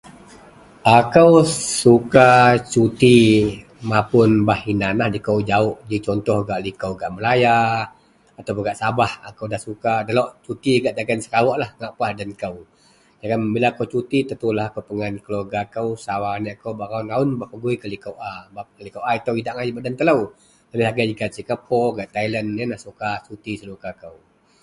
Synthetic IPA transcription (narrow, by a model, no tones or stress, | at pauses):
akəwsukat͡ʃut̪i | mapʊnbahinanahdikawd͡ʒaʊʔd͡ʒit͡ʃɔnt̪ɔhɡaʔlikəwɡaʔməlaja | at̪awpuŋɡaʔsabaha̰kəwdahsukadalɔʔt͡ʃut̪iɡaʔd̪aɡansəkawɔʔlahŋaʔpahdankəw | daɡanbilakəwt͡ʃut̪it̪ət̪ulahakəwpəŋankəloɡakəwsawanaʔakəwbaɾaʊnaʊnbapəɡuikəlikəwʔabakəlikəwʔait̪əwidaʔŋajibaʔdant̪ələw | ləbɪɦaɡad͡ʒiɡaʔsikapʰɔrɡaʔt̪ailənːənahsukasut̪isəlukakəw